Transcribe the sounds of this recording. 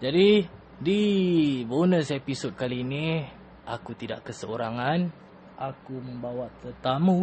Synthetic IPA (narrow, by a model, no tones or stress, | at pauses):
d͡ʒadi | dibonəsepisod̚kalini | ʔakut̪ida̰ʔkəsəoɾaŋan | ʔakumə̃mbawaʔt̪ərt̪amu